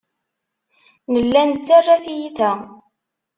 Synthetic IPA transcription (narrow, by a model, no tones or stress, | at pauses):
nəlːænt͡sːarːaθjiθæ